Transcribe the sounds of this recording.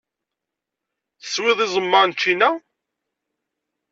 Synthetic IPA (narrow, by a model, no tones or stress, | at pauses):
θə̥swɪðˤɪzˤəmːəʁnt͡ʃːinæ